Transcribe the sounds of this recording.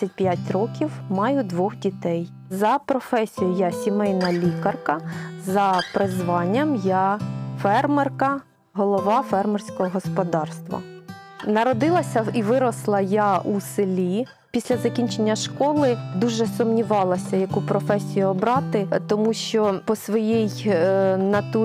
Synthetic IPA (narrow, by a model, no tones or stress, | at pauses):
sʲɐt̚ʲpʲjatʲrɔkʲiwmɑjʊd̪ʋɔxdʲit̪ɛj | zɐpɾɔfɛsʲijʊjasʲimɛjnɐlʲikɐrkɐzɐpɾɪzʋɑnʲːɐmjɑfɛrmɛrkɐ | ɦɔlˠɔʋɑfɛrmɛrsʲkɔɦɔɦɔspɔd̪ɑrst̪ʋɐ̰nɐɾɔd̪ɪlˠɐsʲɐiʋɪɾɔslˠɐjɑʔusɪlʲi | pʲisʲlʲɐzɐkʲinʲt͡ʃenʲːɐʃkɔlˠɪd̪uʒɛsɔmnʲiʋɑlˠɐsʲɐjɐkupɾɔfɛsʲijuɔbɾɑt̪ɪt̪ɔmuʃt͡ʃɔpɔsʋɔjij | nɐt̪u